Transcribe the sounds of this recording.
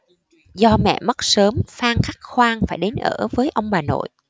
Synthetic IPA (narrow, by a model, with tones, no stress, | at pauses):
zɔ˧mɛ̰˧˨mə˦˥t̚səː˨˦mfaː˧ŋxa˦˥k̚xwaː˧ŋfaː˧˩jɗe˨˦nʔəː˧˩vəː˨˦jʔə˧wŋ͡mɓaː˨˩no̰˧˨j